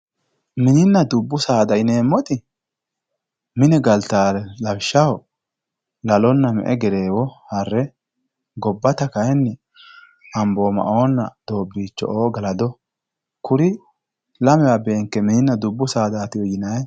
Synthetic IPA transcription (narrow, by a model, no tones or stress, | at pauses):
mɪnɪnːɐd̪ʊbːʊsaːd̪ɐjneːmːɔt̪ɪ | mɪnɛɡɐlt̪aːɛlɐwʃːɐw | lɐlɔnːɐmɛ̰ʔɛɡɛɾe̞ːwɔhɐrːɛ | ɡɔbːɐt̪ɐkɐjɛnːɛ | ɐmbo̞ːmɐ̰ʔoːnːɐ̰d̪̥o̞ːbːiːt͡ʃːɔ̰ʔoːɡɐlɐd̪ɔ | kʊɾɪ | lɐmɛwabe̞ːŋkːɛmɪnɪnːɐd̪ʊbːʊsaːd̪aːt̪ɪjɔjɪnɐj